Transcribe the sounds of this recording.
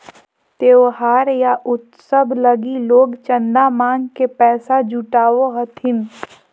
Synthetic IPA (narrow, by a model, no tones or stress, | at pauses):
t̪eːoɦaːɾjaʔʊt̪səbʱləɡiloːɡt͡ʃə̃nd̪amãːŋkepɛːsad͡ʒuʈaːʋoɦɐt̪ʰɪn